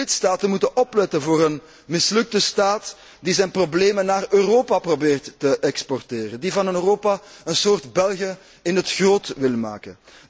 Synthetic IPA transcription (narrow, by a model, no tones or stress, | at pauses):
ɪtstaːtənmutənʔɔplɛtənvoːɾən | mɪslɵk̚təstaːt | dizɛjnprobleːmənːaːrøːroːpaprobeːrtːəʔɛkspɔrteːrəndivɑnənøːroːpaənsoːrtbɛlˠɣə | ɪnɦətxroːtʋɪlma̰ːkən